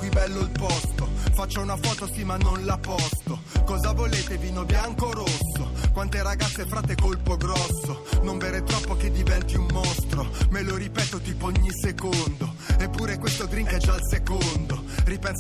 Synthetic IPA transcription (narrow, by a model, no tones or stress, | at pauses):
kwibɛlːoilpɔst̪ofat͡ʃːaunafɔːt̪osimanːonlapɔst̪o | kɔːzavoleːt̪eviːnobjaŋkoɾosːokwant̪eɾaɡat̪sːefɾaːt̪ːekolpoɡɾɔsːonoɱveɾet̪ɾɔpːoked̪ːivɛnt̪iumːost̪ɾomeloɾipɛːt̪ot̪iːpooɲːisekond̪o | epːuːɾekwest̪od̪ɾiŋkɛd͡ʒalsekond̪o | ripɛns